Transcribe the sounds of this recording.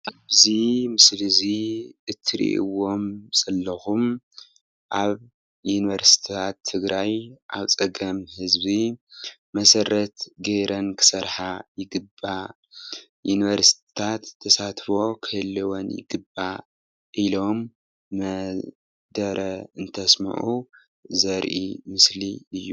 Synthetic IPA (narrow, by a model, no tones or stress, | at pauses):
ʔaβzimɨsliziʔɨt̪ʰːɨɾḭʔɨ̰wo̞mz̥ɐlːɐxum | ʔaβ | juniβɐɾsi̥t̪ʰt̪ʰat̪ʰːɨɡɾajʔa̰βt͡sʼɐɡɐmhɨzbi | mɐsɐɾɐt̪ɡeɾɐnkʰɨ̥sɐɾħajɪɡɨba | juniβɐɾsi̥t̪ʰi̥t̪ʰat̪ʰːɐsat̪fo̞kʰɨhɨlːɨwonjɪ̰ɡɨba | ʔilo̞mː | ɐ | d̪ɐɾɐɨnt̪ʰɐsmɐ̰ʕʔu | zɐɾʔḭmɨsliɨjːu